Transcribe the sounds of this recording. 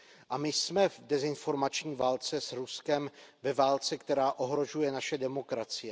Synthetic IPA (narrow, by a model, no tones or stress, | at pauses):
ʔamɪsmɛvdɛzɪnfo̞ɾmat͡ʃɲiːvaːlt͡sɛsɾuskɛmvɛvaːlt͡sɛkt̪ɛɾaːʔo̞ɦɾo̞ʒujɛnaʃɛdɛmo̞kɾat͡sɪjɛ